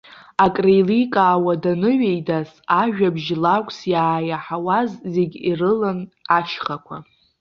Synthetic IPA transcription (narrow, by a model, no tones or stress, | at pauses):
akʼrejlikʼaːwadanɨɥejdas | aʒᶣabʒlakʷʼsjaːjaħawazːeɡʲirɨlanat͡ʃʰχakʷʰa̰